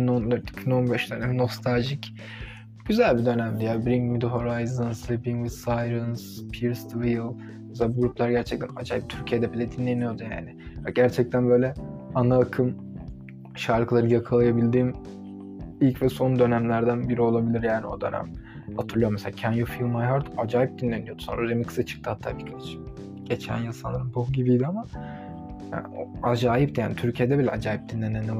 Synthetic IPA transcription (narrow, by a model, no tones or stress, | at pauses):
inonlˠaɾi̥cʰbino̞nbɛʃd̪ønɛmino̞fst̪ʰalʲʒic | ɟ̥yzælʲbid̪ø̞næmd̪ɛjabɾiŋɡmid̪ɦo̞ɾajzənslibiŋwid̪sajɾɯnspʰiɾst̪ʰvijlˠ | mɛsɛlaːbuɡɾuplˠaɾɟæɾt͡ʃʰɛc̚t̪ʰæna̰d͡ʒajb̚t̪ʰyɾcʰijɛd̪ɛpʰilʲɛd̪inlːʲenijo̞d̪uja̰ːnɪ | aɟ̥æɾt͡ʃʰɛc̚t̪ʰænbø̞jlʲɛanaːkʰɯm | ʃaɾkʰɯlˠaɾɯnjakʰalˠajabilʲd̪iːm | ilʲcvɛso̞nd̪ø̞næmlʲæɾd̪ænbiɾio̞lˠabilʲiɾjaːniod̪øna̰m | hat̪ʰɯɾlˠɯjomɛselʲaːcʰænjofilˠmajɦaɾd̪ad͡ʒaːjip̚d̪inlːʲenijod̪u̥sonɾad̪emɛkʰɯ̥sat͡ʃʰɯ̥k̚t̪ɯhat̪ʰːaːbiɾkʰat͡ʃ | ɟ̥et͡ʃʰæ̰njasanˠaɾɯnbʰoɟibijd̪ɪama | ja̰o̰ad͡ʒaːjipt̪ʰja̰ːnit̪ʰyɾcʰijɛd̪ɛbilʲɛʔa̰d͡ʒaːjip̚d̪inlʲːenʲen